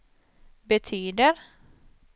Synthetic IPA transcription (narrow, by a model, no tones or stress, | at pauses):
bɛt̪ʰyːd̪əɾ